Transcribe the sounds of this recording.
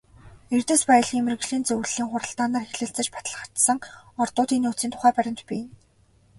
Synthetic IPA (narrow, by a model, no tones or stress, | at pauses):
ert̪ɘ̆spæjə̆ɮxʲiːmɘ̆rɣɮiːnt͡sɵw̆ɮːiːŋχʊɾə̆ɬt̪aːnaːrxeɮɘ̆ɬt͡sɘ̆t͡ɕpḁt̪ə̆ɮə̆χḁt̪sə̆ŋɔrt̪ʊːt̪iːnut͡siːnt̪ʰʊ̥χæːpæɾʲɪ̆mt̪piː